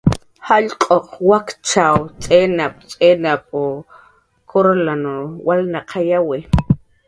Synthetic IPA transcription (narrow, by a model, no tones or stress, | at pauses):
haʎqʼoqwakt͡ʃawt͡sʼenap̚t͡sʼenapo | kʰoɾlanowalnaqʰajawi